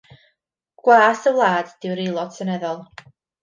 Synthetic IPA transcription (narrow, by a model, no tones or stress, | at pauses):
ɡ̥waːsəwlˠaːd̥d̥ɪwɾilˠɔd̥sənɛðɔlˠ